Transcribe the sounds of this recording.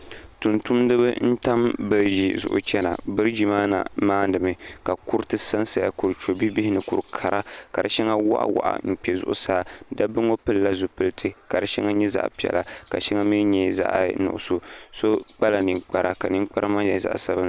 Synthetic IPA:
tu˨ntu˦mdɨ˦bɨ˦n̩˦ta˦mbɨ˦ɾd͡ʒḭ˨zʊ̰˨ʔʊ̰˨t͡ʃɛ˦na̰˨bɨ˦ɾɨ˦d͡ʒi˦maː˦na̰˨maː˦dɨ˨mɨ˨ka˨ku˦ɾtɨ˦sa˦nsa˨ja̰˦˨ku˨ɾɨ˨t͡ʃo˨bi˦bi˦hɪ˦nɨ˨ku˨ɾkʰa˨ɾa˦ka˨ɾɨ̰˨ʃɛ˦ŋa˦wa̰˦ʔa̰˦wa̰˨ʔa̰˨m̩˨k͡pi˨ɛ˨zʊ̰˦ʔʊ̰˦saː˦˨˦da˦bɨ˦ŋo˦pɨ˦lla˦zʊ˨pɨ˦ltʰɨ˦ka˨ɾɨ˨ʃɛ˦ŋa˦ɲɛ˦za̰˦ʔpi˨ɛ̰˨la̰˨ka̰˨ʃi˦ŋa˦mi˦ɲɛ˦za̰˦ʔnʊ̰˨ʔʊ˨so˦so˦k͡pa˦la˨nɨ˨ŋk͡pa˨ɾa˨ka˨nɨ˦ŋ˦k͡pa˦ɾa˦ma˦ɲɛ˨za̰˨ʔsa˦ba˦n˦

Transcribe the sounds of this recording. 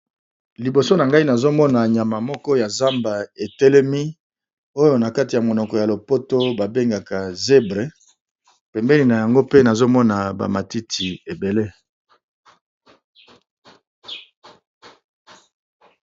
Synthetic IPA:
li˨bo˨so˦na˨ŋɡa˦i˦na˨zo˦mɔ˦na˨ɲa˨ma˨mɔ˦kɔ˦ja˨za˦mba˨e˨tɛ˦lɛ˦mi˦ | o˦jo˦na˨ka˦ti˨ja˨mo˨nɔ˨kɔ˨ja˨lo˨po˦to˦ba˨be˦ŋɡa˨ka˨ze˦bʁe˨˦ | pɛ˨mbɛ˦ni˨na˨ja˨ŋɡo˦pe˦na˨zo˦mɔ˦na˨ba̰˨ma˨ti˦tʰi˨e˨be˨le˦

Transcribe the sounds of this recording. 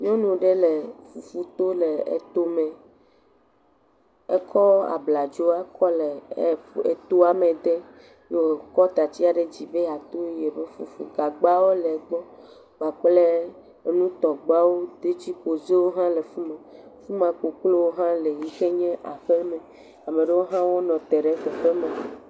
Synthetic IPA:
ɲɔ̃˦nũ˨ɖe˦le˨fu˨fu˦t̪o˦le˨ḛ˨t̪o˦mɛ̃˨ | e˦kʰɔ˦a̰˨bla˨d͡ʒo˦a˦kɔ˦le˨ | ḛ˨t̪o˦a˨mẽ˨d̪e˦ | jo˨kɔ˦t̪a˨t͡ɕi˦a˨ɖe˦d͡ʑi˨be˦˨a˨t̪o˦je˨be˦fṵ˨fṵ˨ɡa˨ɡ͡ba˦wo˦le˨ɡ͡bɔ˦ | wa˨k͡ple˦ | e˨nũ˦t̪ɔ˨ɡ͡ba˦wo˦d̪e˦t͡ɕi˦ko˨ze˦wo˦ɦã˦le˨fu˦mã˨fu˦mã˨k͡po˨klo˦wo˦ɦã˦le˨ɲĩ˦xe˦ɲẽ˦ʔa˨ɸe˦mẽ˨ | a˨mẽ˨ɖe˦wo˦ɦã˦wo˦nɔ̃˨t̪e˨ɖe˦xe˨ɸe˦mã˨

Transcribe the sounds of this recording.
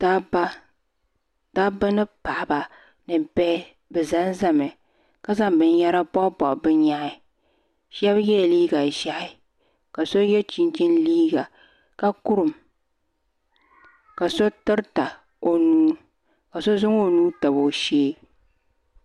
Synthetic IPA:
ta˦ba˦ | ta˦bɨ˦nɨ˦pa˨ʔba˨ | nɨ˨bɛ˦ | bɛ˨za˦nza˦mɨ˨ | ka˦za˦mbɨ˨n˦jɛ˦ɾa˦pɔ˦pɔ˨ʔbɨ˦ɲa˦ɪ˦ | ʃɛ˦bjɛ˦˨liː˦ɡa˨ʒa˨ʔɪ˦ | ka˨so˦jɛ˦t͡ʃi˦nt͡ʃɪ˦nliː˦ɡa˨ | ka˦kʊ˦ɾɨ˨m | ka˨so˦tɨ˦ɾta˨ | o˨nuː˦ | ka˨so˦zʊ˦ŋo˦nuː˦ta˨bo˨ʃeː˦

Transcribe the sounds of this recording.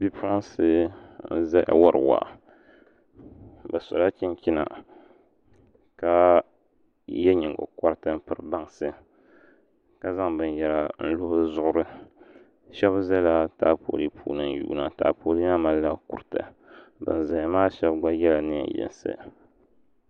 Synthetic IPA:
bi˦fɾa˦nsɨ˦n̩˦zɛ˦ʔwa˦ɾɨ̰˨wa̰˨ | ba˨sɔ̰˨la˦t͡ʃi˦n˦t͡ʃi˦na̰˨ | ka˦ | jɛ˦ɲi˨ɡo̰˨ka˦ɾɨ˦tɨ˦m˦pɨ˨ɾɨ˨ba˦ŋsɨ˦ | ka˦za˦ŋbɨ˨njɛ˨la˨n̩˦lʊ˦bɨ˦zʊ˦ʔʊ˦ɾɨ˦ | ʃɛ˦bzɛ˦la˦taː˦po̰ː˨li˦pʰṵː˦nɨ˦n˦jṵː˦˨˦na˨ta̰ː˨po˨li˦ɲa˦ma˦lːa˦ku˨ɾɨ˨tɨ̰˨ | bɨ̰˨n˨za˨ja˨maː˦ʃɛ˦bɡa˦jɛ˦la˨nɨ˦ɛ̰˨jɛ̰˨nsɨ̰˦

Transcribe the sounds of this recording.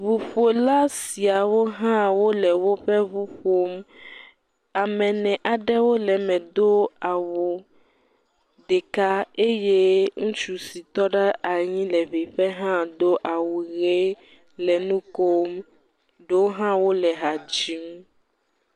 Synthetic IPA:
βu˨ɸo˨la˦si˨a˨wo˦ɦã˦wo˦lɛ˨wo˦ɸɛ˦βu˦ɸo˦m | a˨mɛ̃˨nɛ̃˨ʔa˨ɖɛ˦wo˦lɛ˨mɛ̃˨d̪o˦a˨wo˨ | d̪e˨ka˦e˦je˦ŋũ˦t͡ʃu˦si˨t̪ɔ˦ɖɛ˦ʔa˨ɲĩ˦lɛ˨βi˨ɸɛ˦ɦã˦d̪o˦ʔa˨wu˨ɣe˦ | lɛ˨nũ˦ko˦m | ɖo˦ɦã˦wo˦lɛ˨ɦa˨d͡ʒi˦m˦

